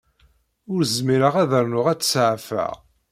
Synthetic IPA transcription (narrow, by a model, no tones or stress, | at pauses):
ʊɾzmiɾəʁæðəɾnʊʁæt͡sːsʕfæ̰ʁ